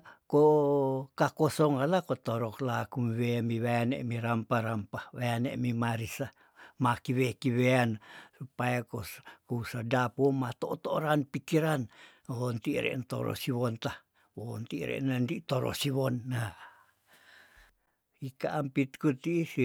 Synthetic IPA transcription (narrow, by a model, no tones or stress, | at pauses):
ko | kakosɔŋalakot̪oɾɔklakumweamiwajanḛʔmiɾampaɾampawajanḛʔmimaɾisa | makiβekiβeansupajakokousadapomat̪oʔt̪oɾanpikiɾan | ont̪iʔɾɛ̰ʔnt̪o̰ɾɔ̰siwɔnt̪ah | wont̪iʔɾɛ̰ʔnandiʔt̪oɾɔ̰siβɔnːa | ikaʔampit̪̚kut̪isi